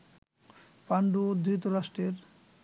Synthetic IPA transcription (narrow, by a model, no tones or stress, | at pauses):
paɳɖud̪ɾit̪oɾaʃʈɾeɾ